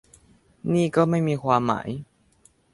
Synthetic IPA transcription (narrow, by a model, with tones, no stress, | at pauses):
ni˧kə˧me˧mi˧xwa˧ma̰˧ʔi